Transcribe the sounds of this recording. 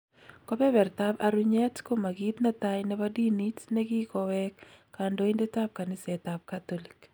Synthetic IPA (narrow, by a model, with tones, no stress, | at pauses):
kɔ˦pɛ˦bɛ˨ɾt̪aba̰ɾuɲɛ˦tko˦ma˨ɡi˦tna˦tajnɛbadi˦ni˦tnɛɡi˦kɔwɛkː | ando˨i˦nde˦ta˦p̚ka˨nɪ˦sɛtap̚kat̪olik